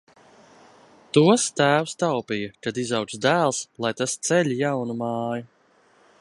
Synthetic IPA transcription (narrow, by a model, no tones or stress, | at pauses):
t̪uɔst̪æːwst̪awpijakad̪izaw̪sd̪æːlˠslˠajt̪ast̪sɛʎʲijawnumɑːju